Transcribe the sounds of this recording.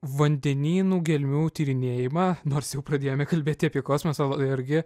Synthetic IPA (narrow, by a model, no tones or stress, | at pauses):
ʋɐnʲd̪ʲɛnʲiːnuːɡʲɛlʲmʲuːt̪ʲiːɾʲɪnʲeːjɪmɑːnoːrsjɛʊpɾɐd̪ʲeːjoːmʲɛkɐlʲbʲeːt̪ʲɪɐpʲiɛkoːsʲmʲosɐlˠɐɪɾʲɡʲɪ